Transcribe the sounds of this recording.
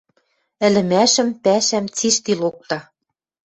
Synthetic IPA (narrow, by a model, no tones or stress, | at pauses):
ɘ̆lɘ̆mæʃɘ̆mpæʃæmt͡siʃt̪ilok̚t̪ɑ